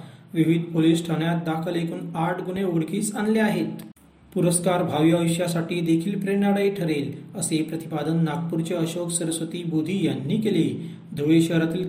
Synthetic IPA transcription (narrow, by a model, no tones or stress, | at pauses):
ʋiʋid̪̚ʱpoliːsʈʰəɳjat̪̚d̪akʰəlekʰuːnaʈʰɡuɳeuɽkiːsanleaɦet̪ | puɾəskaɾbʱaʋiaʋəɕjasaʈiːd̪ekʰiːlpɾeɳaɽəiʈʰəɾeləsepɾət̪ipad̪ənːak̚puɾt͡ɕeəɕoksəɾəsʋət̪iːbud̪ʱiːjanːiːkele | d̪ʱoʋeɕəɦɾat̪iːl